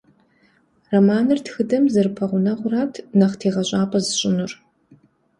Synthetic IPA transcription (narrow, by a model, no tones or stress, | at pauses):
rɐmaːnɨrtxɨdɐmzɨrpʰɐʁʷʊnɐʁʷʊraːtʰnɐχtʰeːʁɐɕʷʼaːpʰʼɐzɨɕʼɪnʊr